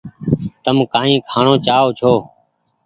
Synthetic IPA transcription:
t̪əmkaːĩːkʰaːɳõːt͡ʃaːoːt͡ʃʰoː

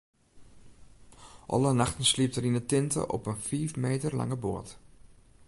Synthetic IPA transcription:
ʔɑ̰lənaxtənslip̚tərinətɪntʰə̰ʔɔ̰pənfiːfmeːtərla̰ŋəbo̰ət

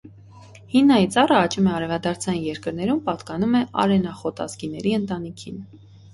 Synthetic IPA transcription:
hinːɑjit͡sɑrəɑt͡ʃumɛɑɾɛvɑd̪ɑɾt͡sʰɑjinjɛɾkəɾnɛɾumpɑt̪kɑnumɛʔɑ̰ɾɛnɑχɔt̪ɑ̰zkinɛɾiənt̪ɑnikʰin

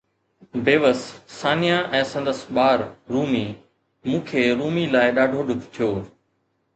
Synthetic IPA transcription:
bʱeːʋəsːaːnijãʔɛ̃ːsə̃nd̪əsɓaːɾɾuːmiː | mũːkʰeːɾuːmiːlaːɪɗaːɖʱoːɗʊt̪t̪ʰijoː

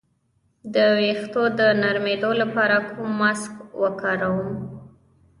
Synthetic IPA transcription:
d̪əwext̪od̪ənaɾmed̪olapɑɾakʰumːaskwəkɑɾawəm

